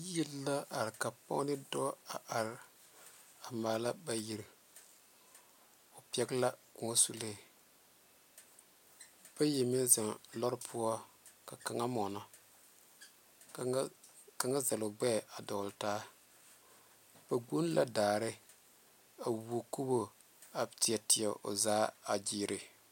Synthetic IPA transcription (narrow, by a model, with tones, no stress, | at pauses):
ji˦lːa˦ʔa˨ɾɪ˨ka˨pa̰˦ŋ˦nɪ˦dɔ˦a˨ʔa˨ɾɪ˦ | a˨maː˨la˦ba˨ji˨ɾ | ʊ˨pi˦ɛ˦ɡla˦ku˨ŋa˦su˦le˦˨ | b̥a˦je˨mɪ˦n˦za˨ŋlɔ˦ɾpʰʊ˦ɔ˦ | ka˨ka˨ŋa˦mɔ˨nɔ˨ | ka˨˦ŋa˦za˨lʊ˨ɡ͡bɛ˦˨a˨dɔː˨ltaː˦ | b̥a˨ɡu˦n˦lʔa̰˦daː˨ɾɪ˦ | a˨wu˨o˨ko˦bo˨ | a˨ti˨ɛ˨ti˨ɛ˨ʔo̰˨zaː˦a˨d͡ʒiː˦ɾʔɪ˨